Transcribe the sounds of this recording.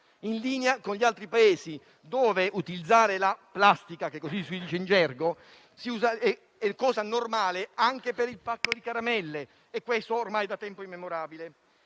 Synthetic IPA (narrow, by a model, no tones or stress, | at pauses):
inliːneakonʎialt̪ɾipaeːzi | d̪oːveʔut̪ilid̪zːaːɾelaplast̪ikak̟ekːosisid̪it͡ʃend͡ʒɛrɡo | siuːzaɛ | ɛkːɔːzanormaːleaŋk̟epeɾilpakːod̪ikaɾamɛlːe | ɛkːwest̪oːrmajd̪at̪ːɛmpoimːemoɾaːbile